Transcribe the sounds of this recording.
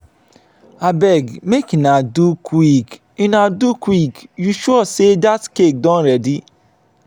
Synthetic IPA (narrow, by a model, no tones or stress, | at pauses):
abɛɡmekinadukwik | ĩnadukwikjuʃɔsedatkek̚dɔ̃nɾɛdi